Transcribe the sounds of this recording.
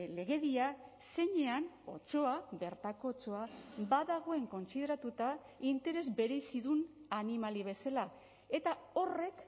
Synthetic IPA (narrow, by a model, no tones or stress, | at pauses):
le̞ɣe̞ðia | se̞ɲe̞ano̞̰t͡ʃo̞aβe̞ɾt̪ako̞ːt͡ʃo̞abaðaɣ̞o̞e̞ŋko̞nsiðe̞ɾat̪ut̪a | int̪e̞ɾe̞zbe̞ɾe̞siðunanimaliβ̞e̞sala | e̞t̪ao̞re̞k